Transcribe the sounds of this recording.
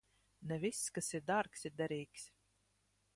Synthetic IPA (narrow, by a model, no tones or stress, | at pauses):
nɛvʲisːkasiɾd̪aɾksiɾd̪aɾʲiːksʲ